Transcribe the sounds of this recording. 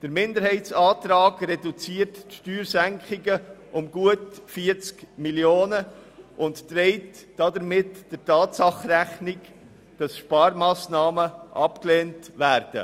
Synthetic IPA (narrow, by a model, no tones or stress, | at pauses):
d̥əɾmɪndəɾɦɛɪtt͡sɑːtɾɑːɡɾɛdut͡siːɾtʃtyːɾzæŋkχɪɡəʔʊmɡuətfiəɾt͡skmiljoːnəʔʊnttɾɛɪtd̥ɑdəɾmɪtd̥əɾtɑːtsɑχræχnɪɡ | d̥ɑsʃpɑːɾmɑːsnɑːməʔɑpkleːntvæːɾd̥ə̰